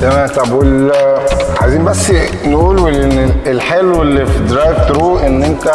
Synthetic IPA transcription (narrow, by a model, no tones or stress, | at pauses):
æmæt̪ˤːɑbʔul | ʕa̰jziːmbæsː | nʔuːlenelħeːlelːifid̪ɾɑjft̪ɾuːʔenːʔent̪æ